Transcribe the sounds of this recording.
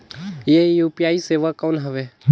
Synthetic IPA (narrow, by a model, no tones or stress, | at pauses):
jeːjuːpijaːiseːʋakoːnɦəʋeː